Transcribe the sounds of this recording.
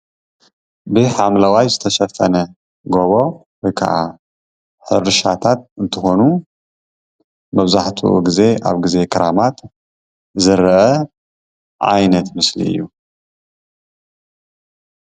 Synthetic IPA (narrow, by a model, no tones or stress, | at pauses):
bɨħamlawajzɨt̪ʰɐʃɐfɐnɐ | ɡoβo̞ | wɔjkʰa̰ʔa | ħɨ̰ɾɨʃat̪ʰat̪̚ɨnt̪ʰɨxo̞nu | mɐβzaħt̪ʰṵʔṵɡize̞ʔa̰βɡɨze̞kʰɐɾamat̪ | zɨɾʔɐ | ʔa̰jnɐt̪mɨslḭɨ̰jːu